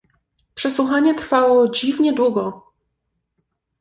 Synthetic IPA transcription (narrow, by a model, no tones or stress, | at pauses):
pʂɛswuxaɲɛt̪ɾfawɔd͡ʑivɲɛd̪wuɡɔ